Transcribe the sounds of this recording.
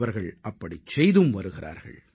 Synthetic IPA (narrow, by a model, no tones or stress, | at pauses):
ʋɐɾɣɐɭʔɐpːɐɽit͡ʃɛjðɯmʋɐɾɯɣɪrʔa̰ːɾɣɐ̰ɭ